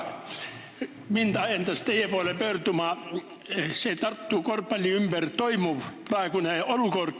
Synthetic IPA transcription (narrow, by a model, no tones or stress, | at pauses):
mint̪ɑjent̪ɑst̪eijæpuɑlepørt̪umɑˑ | set̪ɑrt̪ːuːˑkorpːɑlʲiymb̥ært̪oimuʋprɑˑekuneolukorkː